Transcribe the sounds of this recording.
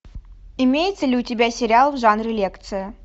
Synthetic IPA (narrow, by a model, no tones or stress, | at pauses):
ɪmʲejɪt̪səlʲɪʊtʲɪbʲæsʲɪɾʲɪalˠvʐanɾʲɪlʲe̞kt̪sɨjə